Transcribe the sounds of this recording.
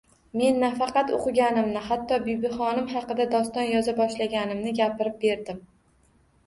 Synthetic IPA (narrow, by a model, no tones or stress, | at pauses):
me̞nːafɑqɑt̪o̰qʰɨɡʲanɪmnɪhat̪ʰːɒbijbɪχɒnɪmhɑqɨd̪ad̪ɒst̪ɒnjɒzabɒʃlaɡʲanɪmnɪɡʲapɪɾɪp̚be̞ɾd̪ɪm